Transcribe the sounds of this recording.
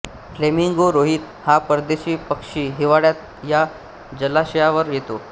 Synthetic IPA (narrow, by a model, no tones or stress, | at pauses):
flemiŋɡoɾoɦiːt̪ | hapəɾd̪eɕiːpəkʂiːɦiʋaɽjat̪̚ | ja | d͡ʑəlaɕəjaʋəɾjet̪o